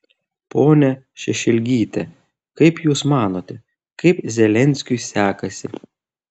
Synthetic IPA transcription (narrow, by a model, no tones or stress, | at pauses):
poːnʲɛ | ʃʲɛʃʲɛlʲɡʲiːt̪ʲɛ | kɐɪpjuːsmɑːnoːt̪ʲɛ | kɐɪpzʲɛlʲɛnʲsʲkʲʊɪsʲæːkɐsʲɪ